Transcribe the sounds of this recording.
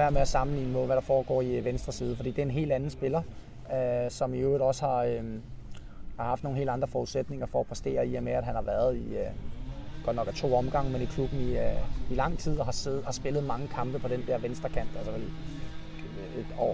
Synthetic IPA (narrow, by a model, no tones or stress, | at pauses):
ʋæɐmeæsɑ̈mn̩lḭːnəme̝ðˠʋæɾ̥ɑ̈fɒːɡ̥ɒ̰ːiʋensd̥ʁɐsiːðˠfɒ̽d̥ḭːdeæɐenɦe̝̰ːld̥ænn̩sb̥e̝lɐ | sɒ̽miøːð̩ˠɒ̽səhɑ̈ø | hɑ̈hɑ̈fd̥no̝ːŋ̩nɦḛːld̥ɑ̈nd̥ʁɐfɒuðˠsed̥ne̝ŋɐfɒ̽ːpʰʁɛsd̥e̝̰ːɐiemeæd̥ɦænhɑ̈ʋæɐð̞ˠi | ɡ̥ɒd̥nɒ̽ɡ̥æt͡sʰo̝̰ːɒ̽mɡ̥ɑ̈ŋ̰əmenikʰlub̥n̩iilɑ̈ŋ̰t͡sʰið̰ˠɒɦɑ̈sehɑ̈sb̥e̝lð̩ˠmɑ̈ŋəkʰɑ̈mb̥əpʰɒ̽ɾ̥end̥eɐ̰ʋensd̥ʁɐkʰæn̰d̥ælsɐʋe | ed̥ɒ̰ː